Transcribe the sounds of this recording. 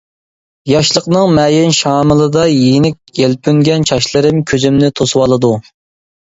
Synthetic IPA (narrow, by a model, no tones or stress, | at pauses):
jɑʃlˠəqnɨŋmɛjɪnʃɑːmɨlˠɨd̪ɑjenɪk̚ʲjɛlpʰyŋɡʲɛnt͡ʃʰɑʃlˠɨɾɨmkʲʰøzymnɪt̪ʰoswɑlˠɨd̪u